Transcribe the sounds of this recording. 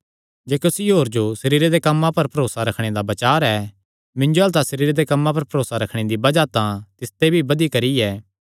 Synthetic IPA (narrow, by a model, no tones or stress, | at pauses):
d͡ʒeːkʊsiɦoːɾd͡ʒosɐɾiːɾed̪ekɐmːãpɐɾpɐɾoːsaɾɐkʰɽ̃ed̪abɐt͡ʃaːɾɛ | mɪ̃nd͡ʒoɦɐlt̪asɐɾiːɾd̪ekɐmːãpɐɾpɐɾoːsaɾɐkʰɽ̃ed̪ibɐd͡ʒat̪ãt̪ɪst̪ebʱibɐd̪ikɐɾiɛː